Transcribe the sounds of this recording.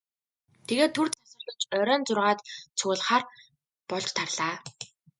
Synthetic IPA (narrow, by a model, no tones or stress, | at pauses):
t̪ʰeɣeːt̪ʰːur̥t̪asʊ̆t̪ə̆t͡ɕœɾʲœːnt͡sʊrʁaːt̪t͡sʰʊːɮχaːr | pɔɮt͡ɕt̪ʰarɮaː